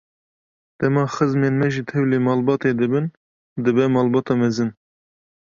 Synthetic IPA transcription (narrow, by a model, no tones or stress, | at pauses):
d̪̥ɛmɑːxəzmeːnmɛʒit̪ʰɛwleːmɑːlbɑːt̪eːd̪ɨbɨn | d̪ɨbɛmɑːlbɑːt̪ɑːmɛzɨn